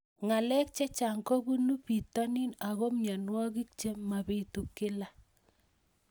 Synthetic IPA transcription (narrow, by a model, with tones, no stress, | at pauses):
ŋa˨lɛ˦k̚t͡ʃɛ˦t͡ʃa˨ŋko˦bu˦nu˦pi˨tɔ˦ni˦na˨ɣɔ˦mɲa˨nwɔ˦ɡi˦k̚t͡ʃe˦ma˨bi˨tu˨kːɪ˦la˦